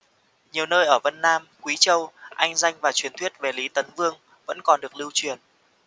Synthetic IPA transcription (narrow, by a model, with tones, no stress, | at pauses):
ɲi˨˩əwnəː˧jʔəː˧˩və˧nːaː˧mkwi˨˦t͡ɕə˧wʔa˧jŋ̟za˧jŋ̟vaː˨˩t͡ɕwi˨ənt̪ʰwi˦˥ət̚ve˨˩li˨˦t̪ə˨˦nvɨ˧əŋ | və̰˧˥nkɔ˨˩nɗɨ˨˩ək̚lɨ˧wt͡ɕwi˨˩ən